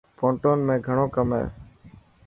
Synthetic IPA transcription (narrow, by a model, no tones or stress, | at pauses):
fõːɳʈoːnmẽːɡʱəɳ̃oːkəmḛː